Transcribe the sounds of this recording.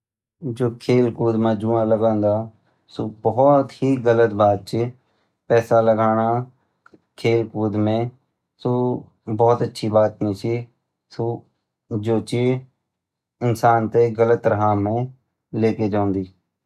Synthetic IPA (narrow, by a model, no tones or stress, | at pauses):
d͡ʒoːkʰeːlkuːd̪mãːd͡ʒuːãːləɡãːnd̪aː | soːbɔːt̪hiːɡələt̪baːd̪̚t͡ʃi | pɛːsaːləɡaːɽ̃aː | kʰeːlkuːd̪mẽː | soː | bɔːt̪ətːʃʰiːbaːt̪nẽːsiː | soː | d͡ʒoːt͡ʃi | ɪnsaːnt̪eːɡələt̪ːɾəɦaːmẽː | leːkeːd͡ʒãːnd̪iː